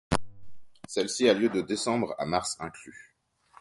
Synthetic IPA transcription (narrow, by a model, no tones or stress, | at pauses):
sɛlsialjød̪əd̪esɑ̃bʁa̰maʁsɛ̃kly